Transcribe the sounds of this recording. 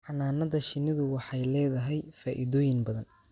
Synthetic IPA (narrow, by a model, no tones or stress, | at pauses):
ħɑnaːnɐðɐʃɪnɪðʊwɑħɑjlɛːðɐɦɛjfaːʔɪ̰ðɔːjɪŋbɐðɐn